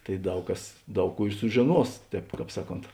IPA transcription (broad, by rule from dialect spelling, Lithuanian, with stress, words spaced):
tɐɪ ˈdɐʊk ˈkɐs ˈdɐʊk ˈkuː ɪ sʊʒʲɪˈnuɔs ˈtʲɛːp ˈkɑːp ˈsɑːˌkoːnt